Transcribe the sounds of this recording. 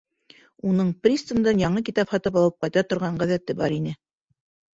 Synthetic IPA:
unɤɴprʲist̪ənd̪ɤnjɑɴɤk̬it̪ɑphɑt̪ɤpɑlˠɤp̚qɑjt̪ɑt̪ŏɾʁɑɴɢæðæt̪ɘbɑɾinɘ

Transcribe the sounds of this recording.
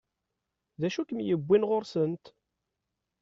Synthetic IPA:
ðæʃukəmjəbʷːinʁoɾsənt̪

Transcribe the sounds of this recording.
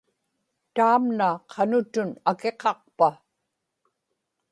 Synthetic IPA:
t̪aːmnaqʰɑnʊt̪ʊnake̞qɑq̚pa

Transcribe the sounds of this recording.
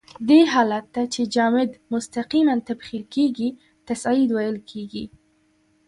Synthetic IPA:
d̪eɦɑlat̪ːat͡ʃed͡ʒɑmɪd̪mʊst̪aqimant̪abxilkeɡi | t̪asɑɪd̪wajəlkʰeɡi

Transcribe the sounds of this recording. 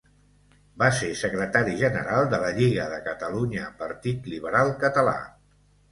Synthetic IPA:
basesəkɾət̪aɾiʒənə̰ɾalˠd̪ələʎiɣəðəkət̪əluɲəpəɾt̪it̪liβ̞əɾalˠkət̪əla̰

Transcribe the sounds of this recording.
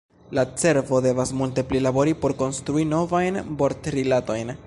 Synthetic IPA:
lat͡se̞ɾvo̞de̞vasmulte̞plilabo̞ɾipo̞ɾko̞nst̪ɾuino̞vajnbo̞ɾtɾilato̞jn

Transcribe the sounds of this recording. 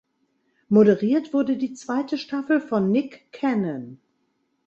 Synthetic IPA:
modəʁiːɐtv̥ʊɐdədiːt͡sv̥aɪtəʃtafl̩fɔnːɪkʰːɛnən

